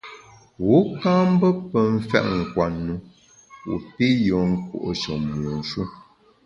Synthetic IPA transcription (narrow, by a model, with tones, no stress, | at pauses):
wo˨˦ka˦m̩˦bə˦pə˨ɱ̩˦fɛ̰˦ʔŋ̩˨kwa˨nːu˦ | wu˨pi˦jɔ˨ŋ̩˦kṵ˦˨ʔo˨so˨m˨o˨n̩˨ʃu˦